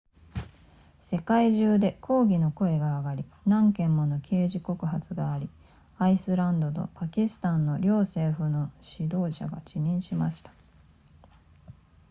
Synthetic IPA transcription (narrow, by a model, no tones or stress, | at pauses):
se̞kaiʑɨːd̪e̞kʰo̞ːɡʲino̞ko̞e̞ɡaːɡaɾʲinãŋkẽ̞mːonokʲʰe̞ːʑiko̞kɯ̟ɦat͡sɨɡaːɾʲi | aisɨɾãnd̪o̞t̪o̞̰pakʲisɨ̥t̪ãnːo̞ɾʲo̞ːse̞ːɸɯ̟no̞ɕid̪o̞ːɕa̰ɡa̰t͡ɕiɲ̟ĩɰ̃ɕimaɕi̥t̪ḁ